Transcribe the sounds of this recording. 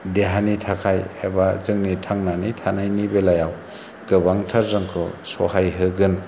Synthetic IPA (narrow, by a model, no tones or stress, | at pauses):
deɦanitʰakʰajhebazɯŋnitʰaŋnanitʰanajnibelajaw | ɡ̥ɯbaŋtʰaɾzɯŋkʰɯ̰sɔhajɦɯɡɯn